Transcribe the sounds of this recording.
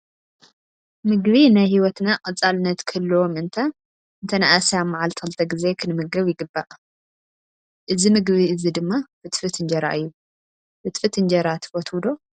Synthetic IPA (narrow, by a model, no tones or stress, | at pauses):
mɨɡβinajhiwɔt̪naqʼɐt͡sʼalɨnɐt̪kʰɐlːwomɨnt̪ʰa | ɨnt̪ʰɐnaʔasamːaʕalt̪ʰɐlt̪ʰɐɡize̞kʰɨnɨmɨɡɐβjɪɡɨbːaʔ | ʔɨzimɨɡβiɨzid̪ɨmːabɨt̪fɨt̪ʰɨnd͡ʒɐɾa̰ʔɨjːu | bɨt̪fɨt̪ʰɨnd͡ʒɐɾat̪ʰfɔt̪ʰwud̪o̞